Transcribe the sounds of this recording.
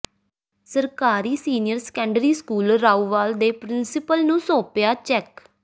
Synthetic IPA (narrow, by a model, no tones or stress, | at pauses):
səɾkaːɾiːsiːnɪjəɾskɛ̃ːɳɖɾiːskuːlɾaːuːʋaːld̪eːpɾɪnsɪpəlnũːsoːpjaːt͡ʃɛk